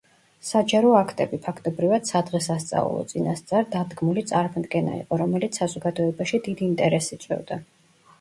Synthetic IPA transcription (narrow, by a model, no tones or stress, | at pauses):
sad͡ʒaɾɔakʰt̪ʼɛbipʰakʰt̪ʼɔbɾivad̪̥sad̪ʁɛsast̪sʼa̰ṵlˠɔ̰t̪sʼinast̪sʼaɾd̪ad̪ɡmulit̪sʼaɾmɔd̪ɡɛna̰ḭqʼɔɾɔmɛlit̪sʰsazɔɡad̪ɔɛbaʃid̪id̪int̪ʼɛɾɛsit̪sʼwɛ̰vd̪a